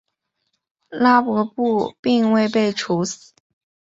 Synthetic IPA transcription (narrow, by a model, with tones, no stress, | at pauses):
la˥pwɔ˧˥pu˥˧pi˥˧ŋwe˥˧ɪpe˥˩ɪʈ͡ʂʰu˧˥s̩˨˩˨